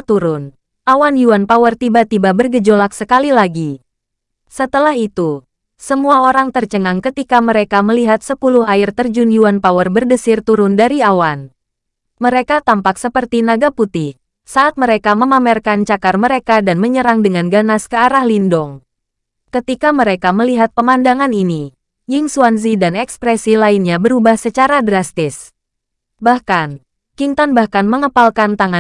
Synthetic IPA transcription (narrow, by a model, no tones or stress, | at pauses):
t̪uɾʊn | ʔawanjuanpawərt̪ibat̪ibabərɡəd͡ʒolak̚səkalilaɡi | sət̪əlaɦit̪u | səmuaoɾaŋt̪ərt͡ʃəŋaŋkət̪ikaməɾekaməliɦat̪̚səpuluhaɪrt̪ərd͡ʒunjuanpawərbərdəsɪrt̪uɾʊndaɾiawan | məɾekat̪ampaksəpərt̪inaɡaput̪ɪh | saːt̪̚məɾekaməmamɛrkant͡ʃakarməɾekadanməɲəɾaŋdəŋanɡanaskəaɾahlindɔŋ | kət̪ikaməɾekaməliɦat̪̚pəmandaŋanini | jɪŋsuanzidanɛkspɾɛsilainɲabəɾubahsət͡ʃaɾadɾast̪ɪs | bahkan | kiŋt̪anbahkanməŋəpalkant̪aŋa